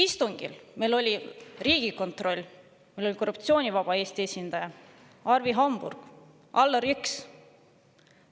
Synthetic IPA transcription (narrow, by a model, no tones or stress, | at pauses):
ist̪uŋɡ̥ḭlmejlo̞lʲiriːɡ̥iko̞nt̪ro̞lʲː | melo̞lʲiko̞rːup̚t̪sio̞ːnʲivɑb̥ɑe̞ːst̪ie̞sʲind̪̥ɑjɑ | ɑrviɦɑmb̥ṵrɡ̥ | ʔɑlːɑɾyks